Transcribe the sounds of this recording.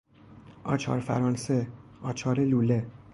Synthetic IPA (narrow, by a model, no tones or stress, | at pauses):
ʔɒːt͡ʃʰɒ̰ːɾfæ̰ɾɒːnse̞ɒːt͡ʃʰɒːɾeluːle̞